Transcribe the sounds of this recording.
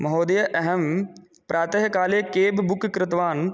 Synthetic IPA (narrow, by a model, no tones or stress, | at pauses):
mɐɦoːd̪ɐjɐʔɐɦɐm | pɾaːt̪ɐɦɐkaːleːkeːbbʊkkɾɪt̪ʋaːn